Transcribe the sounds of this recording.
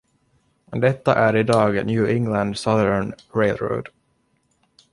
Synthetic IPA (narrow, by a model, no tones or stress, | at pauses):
d̪ɛt̪ːa̰ʔæɾɪd̪ɑːɡnjʉːʔɪŋland̪sʌðən | ɾelɾo̰ʊd̪̥